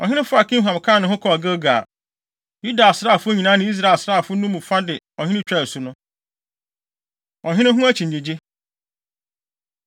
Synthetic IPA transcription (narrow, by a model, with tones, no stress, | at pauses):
ɔ̰˨hɪ̃˦nɪ̃˦fʊ˦a˨kʰĩ˦ɦã˨m˨kʰãː˦˨nʊ̃˦ɦʊ̃˦kʰɔ˨ɡə˦ɡaː˨ | ju˦da˨sɾa˦˨fʊ˦ɲĩ˨nã˦nɪ̃˦i˦s̬ɾa˨e˨sɾaː˦˨fʊ˦nũ˦mũ˨fa˦dɪ˨ | ɔ˨ɲhɪ̃˦nɪ̃˦t͡ɕᶣɛ˦˨sʊ˨nʊ̃˦ | ɔ˨ɦɪ̃˦nɪ̃˦ɦʊ̃˦æ˦t͡ɕʰĩ˨n˨e˨d͡ʑe˦